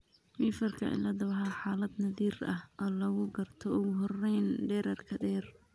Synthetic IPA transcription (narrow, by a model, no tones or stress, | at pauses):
miːfɐrkʰɐ̰ɪ̰lɐd̪ɐwɐħɑħaːlɐd̪nɐðiːrɐhʔɔːlɐɣʊɡɐrt̪ʰɔʊɣʊɦɔrɛjnɖɛːɾɐrkʰɐɖɛːr